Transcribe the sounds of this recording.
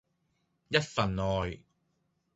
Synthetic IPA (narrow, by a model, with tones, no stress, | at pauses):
jɐ˥t̚fɐ˨˩nɔː˨j